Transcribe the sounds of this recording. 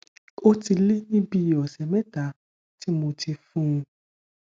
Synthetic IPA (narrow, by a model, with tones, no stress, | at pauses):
o˦ti˧le˦nĩ˦bi˦˧˨ɔ˨sɛ˨mɛ̃˦ta˨˦ | ti˦mo˧ti˧fũ˦ũ˧